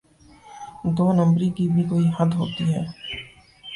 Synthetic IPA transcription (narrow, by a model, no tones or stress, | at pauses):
d̪oːnə̃mbɾikibʱikoːihɐd̪ɦo̰ːt̪iɦɛː